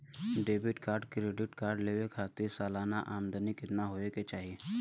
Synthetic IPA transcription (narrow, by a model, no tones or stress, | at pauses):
ɖeːbɪʈkaːɾɖkɾeːɖɪʈkaːɾɖleːʋekʰaːt̪ɪɾsaːlaːna̰ʔaːmd̪ənikɪt̪naɦoːeket͡ʃaːɦie